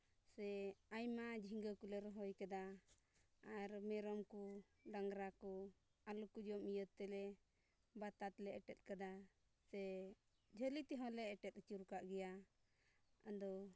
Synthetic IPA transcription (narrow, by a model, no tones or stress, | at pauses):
sɛajmad͡ʒʱiŋɡəkulɛɾɦɔjkad̪aː | ɾmɛɾɔmku | ɖaŋɡɾakɔ | alukud͡ʒɔmijət̪t̪ːɛlɛ | bat̪at̪lɛɛʈɛt̪̚kad̪a | sɛ | d͡ʒʱəlit̪ɛɦɔ̃lɛːʈɛt̪̚t͡ʃuɾkaʔɡɛja | ad̪ɔ